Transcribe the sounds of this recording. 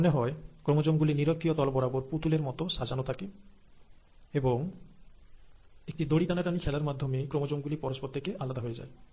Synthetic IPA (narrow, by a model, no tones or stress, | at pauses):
oneɦɔekɾomod͡ʑomɡuliniɾokʰːijot̪ɔlbɔɾaboɾput̪uleɾmɔt̪oʃad͡ʑanot̪ʰake | eboŋ | ek̚ʈid̪oɽit̪anat̪anikʰɛlaɾmad̪ʱːomekɾomod͡ʑomɡulipɔɾospɔt̪ːekeʔalad̪aɦojed͡ʑa̰e